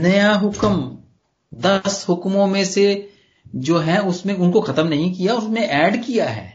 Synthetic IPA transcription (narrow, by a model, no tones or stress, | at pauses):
nɐjaɦʊkəm | d̪ɐsɦʊkmõmẽse | d͡ʒoːɦɛ̃ʊsmẽʊnkoxɐt̪əmnɐɦĩkijaʊsmẽʔɛːɖkijaɦɛ̰ː